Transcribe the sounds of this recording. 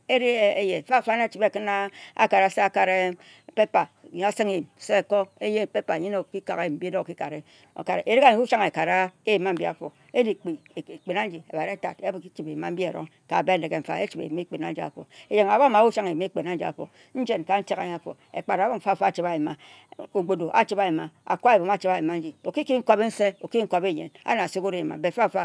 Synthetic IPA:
e˦ɾi˦e˦e˦je˨fa˦˨fa˦na˦t͡ʃi˨˦be˦˨kɨ˦na˦a̰˨ka˨ɾa˦se˦a˨ka˨ɾe˦ | pe˦pa˨˦ | a˦si˦ŋe˦˨se˦e˨ko˦e˦je˦pe˦pa˨ɲi˦no˨ki˦ka̰˨ke˦˨m̩˦bi˦do˦˨ki˦ka˨ɾe˦ | o̰˨ka˨ɾe˨ʔe˨ɾi˦ka˨ɲi˦u˦ʃa˦ŋe˨ka˨ɾa˦e˦˨ma˦m̩˦bi˦a̰˨fo̰˨ | e˦di˦˨k͡pi˨e˨k͡pe˨na˦n˦d͡ʒi˨e˨ba˨ɾe˦ta̰˨te˦bki˦t͡ʃi˨be˨ma˦m̩˦bi˦e˨ɾo̰˦ŋ | ka̰˨be˦˨le˨ɡe˨m̩˨fa̰˨e˦t͡ʃi˨bḛ˨m˦e˦˨k͡pe˨na˦n̩˦d͡ʒi˨˦a̰˨fo̰˨e˨d͡ʒe˨ŋa˨ba˦ma˨˦wu˦ʃa˦ŋe˨m˦e˦˨k͡pe˨na˦n̩˦d͡ʒi˨a̰˨fo̰˨ | n̩˦d͡ʒe˨nka˨n̩˦te˦ɣa̰˨ɲ˦a˦˨fo̰˨ | ḛ˨k͡pa˨ɾbo˦m̩˨fa˦˨fa˦˨t͡ʃi˦a˨ji˨ma˨ | o˨ɡ͡bo˨do˨ʔa̰˦t͡ʃi˦ba˨ji˨ma˨a̰˨kʷa˦e˨bo˨m˦a˦t͡ʃi˦ba˨ji˨ma˦n̩˦d͡ʒi˨o˨ki˦ki˦ŋ̩˦ko˦be˦n̩˦se˦o˨ki˦ŋ̩˦ko˦be˦˨ɲḛ˨na̰˦na˨so˦ko˦ɾe˨ma̰˨be˨fa˦˨fa˦

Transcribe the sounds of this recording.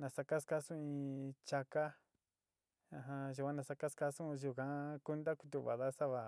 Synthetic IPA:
nã˨sa˧ka˦ska˦sũ˦ĩ˧t͡ʃa˧ka˦ | ã˧ɦã˧ʒu˨kʷã˧nã˨sa˧ka˦ska˧sũ˦˧ʒu˨kã˧˦ku˦nd̪a˦ku˧t̪u˧˨βa̰˨ða˦sa˦βa˧˨

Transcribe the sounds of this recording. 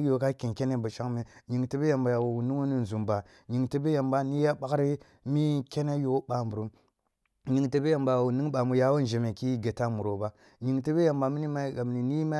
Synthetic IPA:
jo˦ka˦ke˨nke˦ne˦bu˨t͡ʃa˦ŋme˨˦ɲi˨ŋte˦be˦ja˨mba˨ja˨u˨nu˦ŋo˦ni˦n˨zu˨mba˨ | ɲi˨ŋte˨be˦ja˨mba˦ni˦ja˦ɓa˦kɾi˦ | mi˦ke˦ne˦jo˦ɓa˨mbu˨ɾu˦m | ɲi˨ŋte˨be˦ja˨mba˨wu˨ni˦ŋba˨mu˨ja˨wo˦n˦d͡ʒe˨me˨ki˦ɡe˨ta˦mu˨ɾo˦ba˦ | ɲi˨ŋte˦be˦ja˨mba˨mi˦ni˦ma˦ɡa˨m˨ni˨ni˦ma˦

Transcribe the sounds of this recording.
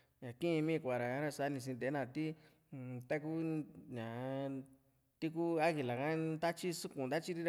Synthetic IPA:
ɲã˨kĩ˦˧mĩ˦˧kʷa˨ɾa˨ã˦ɾa˧sa˧˦nĩ˧s̬ĩ˧t̪e˨˦nã˧t̪i˦˧ | t̪a˦k̬u˦ɲã˨ | t̪i˦ku˦a˦ɣi˨la˨kã˦nd̪a˦t͡ʃi˦su˦kũ˧˨nd̪a˦t͡ʃi˦ɾi˦ɾa˧

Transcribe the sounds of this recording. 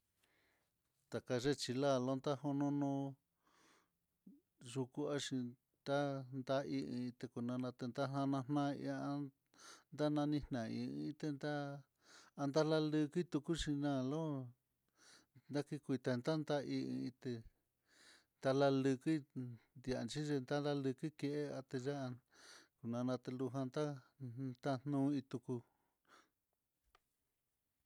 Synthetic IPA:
t̪a˨ka˧ʒe˦t͡ʃi˧la˦˨lo˦nd̪a˦ho˧nõ˦nõ˧ | ʐu˧ku˦a˦ʂi˧ | t̪a˦nd̪a˧ʔi˧ĩ˧ĩ˧t̪e˧ku˧nã˧nã˧t̪e˧nd̪a˦nã˧nã˧n̥nã˦ḭ˧a˧ | nd̪a˦nã˧nĩ˦nnã˨˧ḭ̃˧ĩ˧ĩ˧t̪e˧nd̪a˦ | a˧nd̪a˦la˧lɨ˧ki˦t̪u˧ku˦ʃi˧nã˦˨lo˦ | nd̪a˦ki˧kʷi˧t̪a˧nd̪a˦nd̪a˦ʔḭ̃˧ĩ˧t̪e˧ | nd̪a˧la˧lɨ˧ki˦nd̪i˧a̰˧nt͡ʃi˦ʒe˧nd̪a˦da˦lɨ˧ki˦ke˧ʔe˦a˧t̪e˧ʒa˦˧ | ku˨nã˧nã˧t̪e˧lu˧ɦã˧nd̪a˦t̪a˦n̥nũ˦ĩ˧t̪u˧ku˧

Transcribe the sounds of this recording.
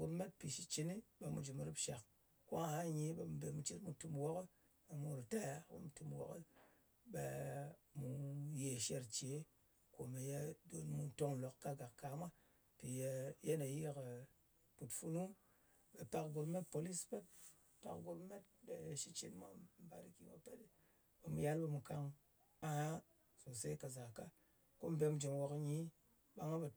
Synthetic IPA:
ɡo˨bme˦t̚pi˨ʃi˦t͡ʃi˨ni˦ɓe˨mṵ˨d͡ʒu˨m˨ɾi˦pʃa˨k | ko˦ŋ˨ha˦ɲi˦ɓe˨m˨be˨mu˨t͡ʃi˦tmu˨tu˧mwo˦kə˦ | ɓe˨mu˨˦˨ɾi˨ta˦ja˦ko̰˦m˨tu˧mwo̰˨kə˦ | ɓḛ˨mu˨je˨ʃe˧ɾt͡ʃe˨˦ | ko˨me˨ja˦do˨nmu˦to˦ŋlo˨kːa˦ɡa˨kka˨mʷa˦ | pi˨jje˦ne˨ji˦ke˨ | pu˨tfu˦nu˦ | ɓe˨ta˨kɡo˧bme˦t̚po˨li˦spe˦t̚ | ta̰˨kɡo˦bme˦t̚ɓe˨ʃi˦t͡ʃḭ˦nmʷa̰˦m̩˨ba̰˨ɾi˨ki˨ma̰˦pe˦t | ɓe˨mu˨ja˦lɓe˧mu˨ka˨ŋ | a˨ha˦ | so˨se˦ka˨za˨ka˦ | ko˦m̩˨be˧m˦d͡ʒe˨mwo˨kɲi˦ | ɓa˦ŋa˦ɓe˨

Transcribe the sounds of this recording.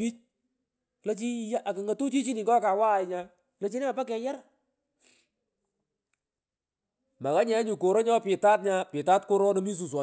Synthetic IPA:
i˦t͡ʃ | lo˦t͡ʃi˦ja˦ʔa˨kɪ˨ŋa˨tu˦t͡ʃi˦t͡ʃi˦ni˨ŋɡɔ˦ka˨wa˦˨ɪ˨ɲa˨ | lo˦t͡ʃi˦ne˦a˨pa˦kɛ˨ja˦ɾ | ma˨ka˦ɲɛ˨˦ɲu˨ko˨ɾo˦ɲɔ˦pɪ˨ta˦t̚ɲa˦pɪ˨ta˦tko˦ɾɔ˦no˦mi˦s̬u˨s̬wɔ˨

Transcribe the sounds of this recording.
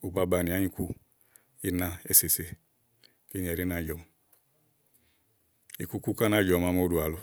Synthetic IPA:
u˨ba˦ba˨ni˨a˦ɲi˦ku˦ | i˦na˦˧e˨se˨se˦ | ke˦ni˨a˨ɾi˦na˨d͡ʒɔ˨m˨ | i˨ku˦ku˦ka˦na˦˨d͡ʒɔ˨ma˨˦m˦o˦du˨a˨lu˦

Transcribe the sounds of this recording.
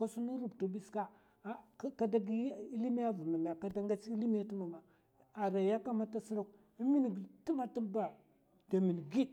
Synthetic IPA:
ka˦su˦nu˦ɾu˦˨btu˨bi˦ska˦ | ka˦da˦ɡi˦i˦li˦mi˦ja˦vu˨ma˨m˨a˨ka˦da˦ŋɡa˦t͡si˦li˦mi˦ja˦tu˦ma˨ma˨ | a˨ɾa˨ja˦ka˦ma˦ta˦si˦ɾu˦˨k | i˦mi˦n˨ɡti˦ma˦˨ta˦ba˨ | d̥a˨mi˨n˨ɡi˦

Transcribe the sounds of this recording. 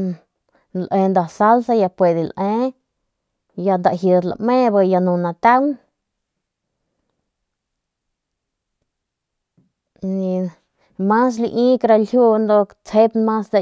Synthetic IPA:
lʔẽ˧nd̪a˧sa˦lsa˧ja˧pwe˧d̪e˧lʔẽ˦ | ja˧nd̪a˨ʔɦjə˧d̪la̰˧mẽ˦˧ba˧ja˧nũ˧nã˧t̪a˦w | nĩ˧ | mã˦s̬lḭ˧ʔĩː˦kɾa˧lhju˧nd̪o˧ | t͡she˦p̪mã˦sd̪a˧

